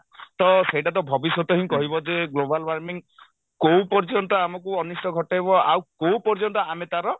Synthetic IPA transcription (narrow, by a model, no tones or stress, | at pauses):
t̪ɔsejʈat̪ɔbʱɔbisjɔt̪ɔɦĩkɔɦibɔd͡ʒeɡlobalwaɾmiŋ | kowpɔɾd͡ʒɔnt̪ɔamɔkuɔnisʈɔɡʱɔʈajbɔawkow̃pɔɾd͡ʒɔnt̪ɔamet̪aɾɔ